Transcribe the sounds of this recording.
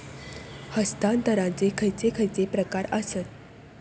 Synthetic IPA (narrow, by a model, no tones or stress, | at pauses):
həst̪ãnt̪əɾãt͡sekʰəjt͡sekʰəjt͡sepɾəkaɾəsət̪